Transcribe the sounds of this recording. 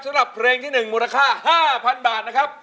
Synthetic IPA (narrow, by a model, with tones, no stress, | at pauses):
sa˦ɾa˨˩pʰɾeː˧ŋt̪ʰiː˥˩nɯ˨˩ŋmuː˧ɾa˧kʰaː˥˩haː˥˩pʰa˧nbaː˨˩t̪̚na˦˥kʰɾa˦˥p̚